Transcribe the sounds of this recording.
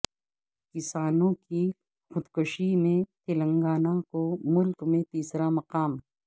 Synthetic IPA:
kɪsaːnõki | xxʊd̪kʊʃimẽt̪ɪlɐ̃ŋɡaːnakomʊlkmẽt̪iːsɾamɐqaːm

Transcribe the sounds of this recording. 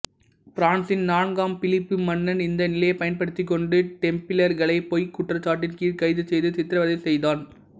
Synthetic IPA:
pɾaːnsɪnnaːnɡaːmpɪlɪpːɯmɐnːɐnɪnd̪ɐnɪlɐjɐpːɐjɐnpɐɽɯt̪ːɪkːɔɳɖɯʈɛmpɪlɐɾɣɐɭɐɪpoːjkʊʈːrɐt͡ʃːaːʈ̬ːɪrkiːkɐɪðɯsɛjðɯtɪt̪ːɪɾɐʋɐðɐɪsɛjðaːn

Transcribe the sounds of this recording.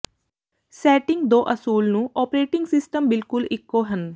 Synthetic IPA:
sɛːʈɪ̃ŋɡd̪oːʔəsuːlnũːʔɔːpɾeːʈɪ̃ŋɡsɪsʈəmbɪlkʊlɪkːoːɦən

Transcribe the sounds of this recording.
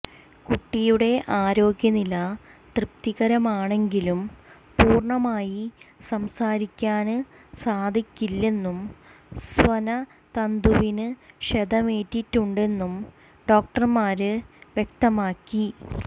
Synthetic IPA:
kuʈːijuɽe̞ʔaːɾo̞ːɡjɐnilɐt̪rɨpt̪iɣɐɾɐmaːɳe̞ŋɡilum | puːrɳɐmaːjisɐmsaːɾikʲːaːnɨ | saːd̪ʱikʲːilːe̞nːum | swɐnɐ | t̪ɐnd̪uʋinɨɕɐd̪ɐmeːtːitːuɳɖe̞nːum | ɖo̞ːk̚ʈɐrmaːɾɨʋje̞k̚t̪ɐmaːkːi

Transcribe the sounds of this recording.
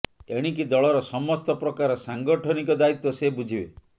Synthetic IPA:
eɽ̃ik̬id̪ɔɭɔɾɔsɔmɔst̪ɔpɾɔkaɾɔsaŋɡɔʈʰɔnikɔd̪ait̪ːɔsebud͡ʒʱibe

